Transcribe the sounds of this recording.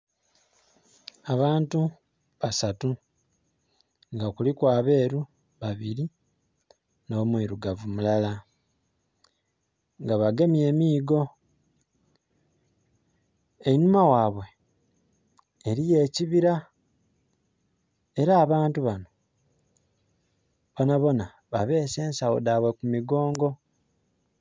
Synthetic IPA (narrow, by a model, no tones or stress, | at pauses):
aβaːntu | βasatu | ŋɡakulikwaːβe̞ːɾu | βaβiɾi | no̞mwiːɾuɡavumulala | ŋɡaβaɡe̞mie̞ːmiːɡo̞ | einumawaːβwe̞ | ɾije̞ːciβiɾa | e̞ɾaːβaːntuβano̞ | βonaβo̞na | βaβe̞ːse̞ːnsawo̰daβwe̞kumiɡo̞ːŋɡo̞